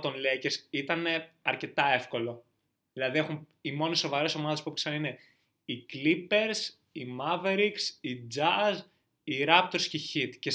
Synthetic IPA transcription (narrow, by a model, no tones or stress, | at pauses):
t̪onleceɾsit̪ɐne̞ɐɾce̞t̪ɐe̞fko̞lo̞ | ðilɐðiexumimo̞nisːo̞vɐɾe̞so̞mɐðepupksɐnɐine̞ | iklipe̞ɾs | imɐve̞ɾiksid͡zɐz | iɾɐp̚t̪o̞ɾsceçit̪ce